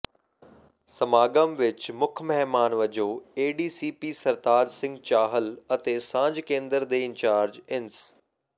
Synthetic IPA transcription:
sɐmaːɡəmʋɪt͡ɕmʊkʰmɛɦmaːnʋɐd͡ʑoːeːɖiːsiːpiːsɐɾt̪aːd͡ʒsɪ̃ŋɡt͡ɕaːɦəlɐt̪eːsãːɲd͡ʑkẽːnd̪əɾd̪eːɪ̃nt͡ɕaːɾd͡ʑɪns

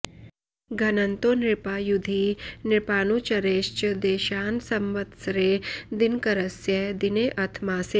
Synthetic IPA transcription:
ɡʱɐnɐnt̪onɪɾpaːjud̪ʱinɪɾpaːnuːt͡ʃɐɾeːʃt͡ʃd̪eːʃaːnsɐmʋɐt̪sɾeːd̪ɪnkɐɾəsjɐd̪ineːʔɐt̪ʰmaːseː

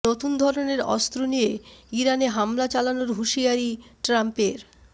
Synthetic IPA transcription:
ot̪und̪ʱɔɾoneɾɔ̰st̪ɾonijeiɾaneɦamlat͡ɕalanoɾɦuʃiaɾiʈɾampeɾ

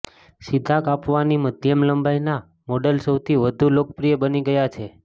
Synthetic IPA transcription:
sid̪ʱakapʋaniməd̪ʱjəmləmbajna | mɔɖəlsəwt̪ʰiʋəd̪ʱulok̚pɾijəbəniɡəjat͡ʃʰe

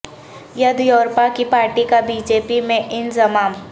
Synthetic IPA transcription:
jɐd̪joːɾpakipaːɾʈikabiːd͡ʒeːpimẽʔɪnzɐmaːm

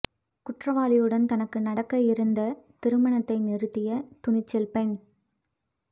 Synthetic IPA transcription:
kʊʈrɐʋaːlɪjɯɽɐnt̪ɐnɐkːɯnɐɽɐkːɐɪɾɯnd̪ɐt̪ɪɾɯmɐɳɐt̪ːɐɪnɪɾɯt̪ːɪjɐt̪ʊnɪt͡ʃːɛlpɛn

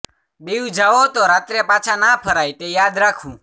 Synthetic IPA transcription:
ɓeːjũːd͡ʒaːʋoːt̪oːɾaːt̪ɾeːpaːt͡ʃʰaːnaːpʰəɾaːit̪eːjaːd̪ɾaːkʰũː

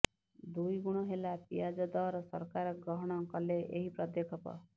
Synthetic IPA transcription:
d̪ujɡuɽ̃ɔɦelapijad͡ʒɔd̪ɔɾɔsɔ̰ɾkaɾɔɡɾɔɦɔɽ̃ɔŋkɔleʔeɦipɾɔd̪jekʰɔpɔ̰

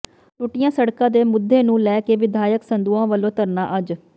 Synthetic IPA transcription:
ʈʊʈɪjãːsəɽkãːd̪eːmʊd̪ʱːeːnũːlɛːkeːʋɪd̪ʱaːjəksənd̪uːãːʋəlõːt̪əɾnaːʔəd͡ʒ

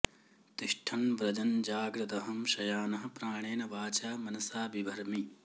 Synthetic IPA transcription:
t̪iʂʈʰɐnbɾɐd͡ʒɐnd͡ʒaːɡɾɐt̪ɐɦɐmʃɐjaːnɐɦɐ̆pɾaːɳ̃eːnɐʋaːt͡ʃaːmɐnɐsaːbibʱɐɾmi

